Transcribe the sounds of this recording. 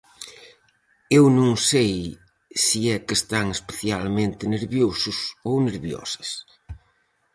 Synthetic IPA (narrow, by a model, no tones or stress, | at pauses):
ewnõŋsej | siɛkest̪aŋespeθjalmẽnt̪ɪneɾβjosʊsowneɾβjɔ̰sɐs